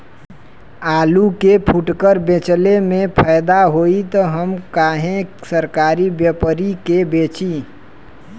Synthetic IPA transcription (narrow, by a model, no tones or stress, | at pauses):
aːlukepʰuʈkəɾbet͡ʃlemẽpʰəːɪd̪aɦoit̪oɦəmkaːɦẽsəɾkaːɾibjəpəɾikebeːt͡ʃi